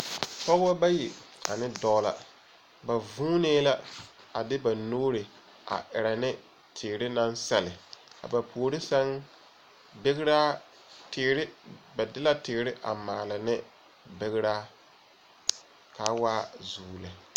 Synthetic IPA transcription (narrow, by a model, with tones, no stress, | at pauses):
pɔ˦ɣa˦ba˦ji˨a̰˨nɪ˦dɔ˦la̰˨ | ba˨vũː˦neː˦la˦ | a˨dɪ˦ba˨noː˦ɾɪ˨ | ʔa̰˨ʔɪ˨ɾa˨nɪ˦ | tʰɪ˨ɾɪ˦na˦nsa˨lɪ˨ka̰˨ba˨pʰoː˨ɾɪ˦sa˦ŋ | be˦ɣɪ˦ɾaː˦ | tɪ˨˦ɾɪ˦ba˨dɪ˦la˦tɪ˨ɪ˨ɾɪ˦ʔa̰˨maː˨la˨nɪ˦ | be˨ɣɪ˦ɾaː˦ | ka˨˦waː˦zuː˨la˨